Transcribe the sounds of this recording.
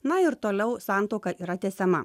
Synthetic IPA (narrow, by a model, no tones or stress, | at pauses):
nɐɪɾt̪oːlʲɛʊsɑˑnt̪ɔʊkɐʔiːɾɐt̪ʲɛːsʲɛmɐ